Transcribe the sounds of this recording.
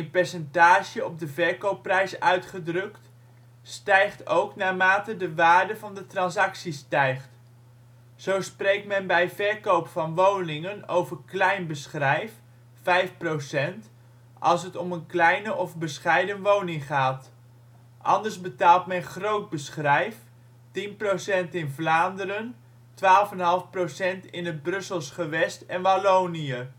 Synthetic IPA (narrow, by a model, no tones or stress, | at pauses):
ənpɛɹsɛntaːʒəɔb̚dəvɛɹkowpːrɛjsœɥtχədrɵkt | stɛjχtowknaːɹmaːtədəʋaːɹdəvɑndətrɑnsɑksistɛjχt | z̥owsprejk̚tmɛnbɛjvɛɹkowpfɑnʋownɪŋənowvəɹklɛjnbəsχrɛjf | fɛjfprowsɛnt | ɑlˠs̬ɦətɔmənklɛjnəʔɔvbəsχɛjdənʋownɪŋχaːt | ʔɑ̰ndəɹzbətaːlˠtmɛnχrowd̚bəsχrɛjf | tinprosɛntɪnvlaːndəɾən | tʋaːlˠəfɛnɦɑlˠfprowsɛntɪnɦəd̚brɵsəlˠsχəʋɛstɛnʋalownijə